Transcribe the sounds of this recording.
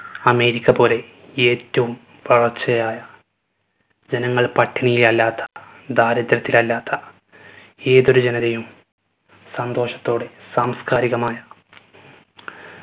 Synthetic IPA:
ɐme̞ːɾikʲːɐpo̞ːle̞ | eːtːɐʋum | ʋɐɭɐt͡ɕːɐjaːjɐ | d͡ʑenɐŋːɐɭpɐʈʰːinijilɐlːaːt̪ʰːɐ̥ | d̪ʱaːɾɐd̪ɾɐt̪ːilɐlːaːt̪ʰːɐ | e̞ːðo̞ɾud͡ʑenɐðejum | sɐnd̪o̞ːʂɐ̥t̪ːo̞ːɽesaːmskaːɾiɣɐmaːjɐ

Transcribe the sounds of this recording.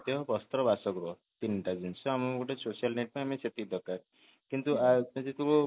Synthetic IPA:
t̪eɦɔpɔst̪ɾɔbasɔkɾɔ | t̪inʈad͡ʒunt͡sʰɔamɔoʈesosialneʈ̚pãameset̪id̪ʱɔkaɾ | kint̪uad͡zet̪uko

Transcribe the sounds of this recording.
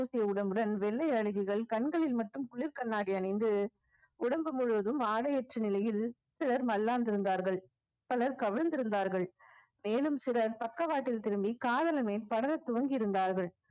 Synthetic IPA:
uːsɪjɐʊɽɐmbɯɽɐnʋɛɭːɐɪɐɻɯɣɪɣɐɭkɐɳɡɐɭɪlmɐʈːɯmkʊɭːɪɾkɐɳːaːɽɪɐnɐɪnd̪ɯ | ʊɽɐmbɯmʊɻɯʋɐðɯmaːɽɐjɛʈrɯnɪlɐjɪl | sɪɾɐɾmɐlːaːnd̪ɪɾɯnd̪aːɾɣɐɭ | pɐlɐɾkɐʋɪɻnd̪ɪɾɯnd̪aːɾɣɐɭ | meːlɯmsɪɾɐɾpɐkːɐʋaːʈːɪlt̪ɪɾɯmbikaːðɐlɐmeːlpɐɽɐlɐt̪ːʊʋɐŋɡɪɪɾɯnd̪aːɾɣɐɭ

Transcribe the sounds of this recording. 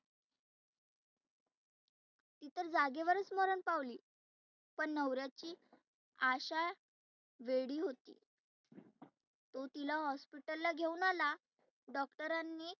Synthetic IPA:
t̪it̪əɾd͡zaɡeʋəɾət͡smoɾəɳpaʋliː | pəɳːəwɾjat͡ɕiː | aɕaj | ʋeɽiːɦot̪ḭː | t̪ot̪ilaɦɔspiʈəlːaɡʱeunala | ɖɔkʈəɾanːiː

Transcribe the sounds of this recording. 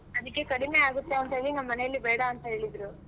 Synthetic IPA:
ɐd̪ikːekɐɽimeaːɡut̪ːeɐnt̪ɐɦeːɭinɐmːɐːɐnejɐlːibeːjɽɐːnt̪ɐɦe̞ːɭid̪ɾu

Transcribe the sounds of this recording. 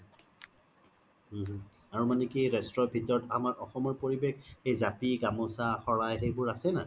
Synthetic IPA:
aɹumanɛkiɹɛstɹɔbʱitɔtamaɹʔɔxɔmɔɹpoɹibekxejzapiɡamɔsaxɔɹajxejbʊɹasɛna̰

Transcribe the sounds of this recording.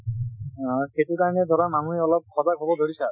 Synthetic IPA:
xetukaɹɔnɛd̪ʱɔɾamaŋuiɔlɔb̚kʰɔdaɡʱɔbɔdʱoɹisa

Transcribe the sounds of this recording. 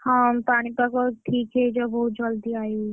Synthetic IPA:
hapaːɽ̃ipɐkoʈʰiːkɦed͡ʒobɔud͡ʒɐld̪iaːi

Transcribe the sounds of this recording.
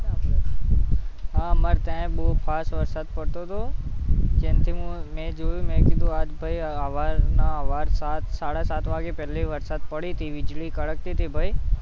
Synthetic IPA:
ɦãːməɾt̪ɛ̃ɓoːpʰaːsʋəɾsaːd̪̚pɐɽt̪ot̪ʰoː | d͡ʒẽːnt̪ʰiũmẽːd͡ʒoːjumẽkid̪oaːd͡ʒbʱaiaʋaːɾnaʋaːɾsaːt̪saːɽasaːt̪ʰʋaːɡepɛːleʋəɾsaːd̪̚pɐɽit̪ʰiʋɪd͡ʒlikəɽək̚t̪it̪ʰibʱaːi

